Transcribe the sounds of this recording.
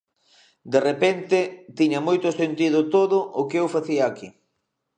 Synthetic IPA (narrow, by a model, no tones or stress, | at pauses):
d̪erepent̪ɪt̪iɲɐmojt̪ʊsent̪iðʊt̪oðʊʔʊkeewfaθiɐːki